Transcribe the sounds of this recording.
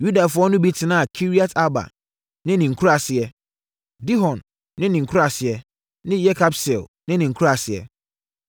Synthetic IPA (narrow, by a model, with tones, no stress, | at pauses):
ju˦da˨fʊ˨˦ɔ˦nʊ̃˦bi˦tʰɪ˨nãː˦a˨kʰi˦ɾi˦a˦tʰa˦ba̰˨ | nɪ̃˦nɪ̃˨ŋ̩˨kʰu˦ɾa˨sɪ˨ɛ˦ | di˦ɦɔ̃˨nː | ɪ̃˦nɪ̃˨ŋ̩˨kʰu˦ɾa˨sɪ˨ɛ˦ | nɪ̃˦jɛ˦kʰa˦bsɛ˨lnɪ̃˦nɪ̃˨ŋ̩˨kʰu˦a˨sɪ˨ɛ̰˨